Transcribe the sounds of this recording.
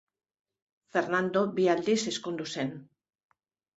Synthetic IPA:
fe̞ɾnand̪o̞biald̪ise̞skund̪use̞n

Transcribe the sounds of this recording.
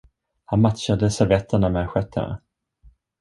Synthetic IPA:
hanmat̪ɕad̪əsɛvɛt̪ʰːəɳamɛɧɛt̪ʰːə̰ɳa̰

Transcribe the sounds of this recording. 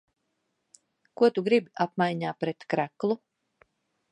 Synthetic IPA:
kuɔt̪uɡɾibiapmajɲaːpɾɛt̪kɾæklˠu

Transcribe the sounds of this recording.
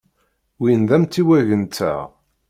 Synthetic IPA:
winðæmt̪ːiwæʝənt̪ːæ̰ʁ

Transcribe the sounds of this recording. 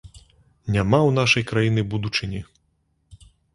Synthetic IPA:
nʲamawnaʂɐjkɾajinɨbud̪ut͡ʂɨnʲi

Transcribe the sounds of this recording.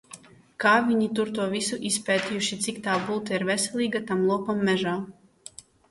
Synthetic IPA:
kaːvʲiɲit̪uɾt̪uɔvʲisuʔispʲɛːt̪ʲijuʃit̪sikt̪aːbuːt̪iɾvɛsʲɛlʲiːɡat̪amlˠuɔkamːɛʒaː

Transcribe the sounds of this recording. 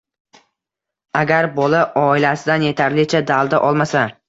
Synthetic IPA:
aɡʲaɾbɒlaʔɒɪlasɪd̪anje̞t̪ʰaɾlɪt͡ʃʰad̪alˠd̪aʔɒlˠmasa

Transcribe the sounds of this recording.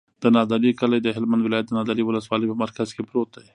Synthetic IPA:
d̪ənɑd̪ɑlikalajd̪əɦɪlmand̪wɪlɑjat̪̚d̪ənɑd̪ɑliwʊləswɑləjpəmaɾkazkepɾot̪aj

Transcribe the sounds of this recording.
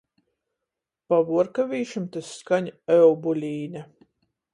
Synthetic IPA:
pavuɔɾkavʲiːʃumt̪asːkaɲʲɛwbulʲiːna

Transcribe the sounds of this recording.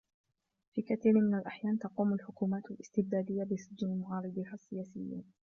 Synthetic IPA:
fiːkaθiːɾnmɪnalʔaħjaːnt̪ɑquːmalħʊkuːmaːt̪alʔɪst̪ɪb̚d̪aːd̪ɪjːabɪsɪd͡ʒnalmʊɣɑːɾˤɨd̪ˤihasːɪjaːsɪjːḭːn

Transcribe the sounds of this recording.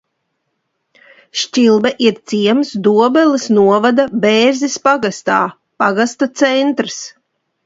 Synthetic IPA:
ʃt͡ʃilˠbɛʔiɾt̪siɛmsd̪uɔbɛlˠisnuɔvad̪abeːɾzispaɡast̪aː | paɡast̪at̪sɛnt̪ɾs

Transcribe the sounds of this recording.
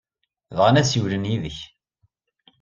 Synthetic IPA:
ðʁənæsjulənjiðəç

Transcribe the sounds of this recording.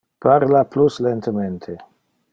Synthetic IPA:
paɾlapluslent̪ʰəment̪ʰe

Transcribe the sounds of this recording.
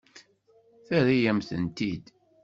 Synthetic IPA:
θæɾijæmθə̰nt̪id̪

